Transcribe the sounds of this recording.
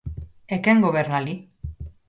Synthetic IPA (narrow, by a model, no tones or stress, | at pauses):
ekeŋɡoβeɾnali